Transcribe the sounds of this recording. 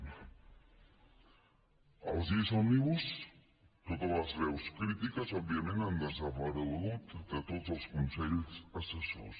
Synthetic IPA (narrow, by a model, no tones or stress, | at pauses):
ə̰lˠzisoniβus | t̪ot̪ələzrɛwskɾit̪ikəzɔbiəmẽnand̪əsəβaɾəlɣut̪d̪ət̪ozəlˠskunsɛʎsəsəso̰s